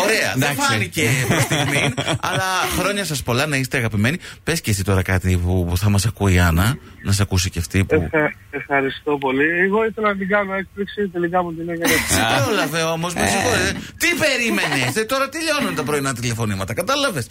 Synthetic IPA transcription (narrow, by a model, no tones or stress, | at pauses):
o̞ɾe̞ɐ̰ðefɐniceːpist̪iɣminɐllɐxɾo̞ɲɐsɐspo̞lɐnɐiset̪eɣɐpime̞nipescesit̪o̞ɾɐkɐt̪ipuθɐmɐsɐkuiɐnɐ | nɐs̬ɐkusiceɐft̪ipef | efxɐɾist̪o̞po̞lieɣo̞iθelɐnɐt̪iɡɐnoek̚pliksit̪e̞likɐmut̪inekɐeipeolɐve̞o̞mo̞zmɐsikoɾet̪et̪ipe̞ɾime̞nest̪et̪o̞ɾɐt̪iʎo̞nunt̪ɐpɾoinɐt̪ile̞fo̞nimɐt̪ɐkɐt̪ɐlɐve̞s